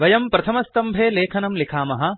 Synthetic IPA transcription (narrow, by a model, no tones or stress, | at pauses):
ʋɐjɐmpɾɐt̪ʰɐmɐst̪ɐmbʱeːleːkʰɐnɐmlikʰaːmɐɦɐ̆